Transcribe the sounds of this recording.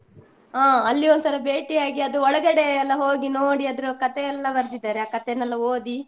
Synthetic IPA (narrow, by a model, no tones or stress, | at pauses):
aːɐlːiond̪sɐɾɐbe̞ːʈiaːɡiɐd̪uɔɭɐɡɐɽeːlːɐɦoːɡinoːɽiɐd̪ɐɾukɐt̪ɛɛlːɐbɐɾd̪id̪aːɾeaːkɐt̪enɛlːɐoːd̪i